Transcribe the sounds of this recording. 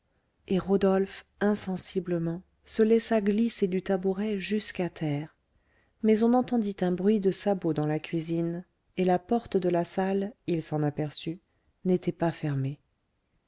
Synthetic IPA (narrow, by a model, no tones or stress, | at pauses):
eʁod̪ɔlfɛ̃sɑ̃sibləmɑ̃ | səlɛsaɡlised̪yt̪abuʁɛʒyskat̪ʰɛːʁ | mɛzɔ̃nɑ̃t̪ɑ̃d̪it̪ɛ̃bʁɥid̪əsabod̪ɑ̃lakʲɥizin | elapɔʁt̪d̪əlasalilsɑ̃napɛʁsy | net̪ʰɛpafɛʁme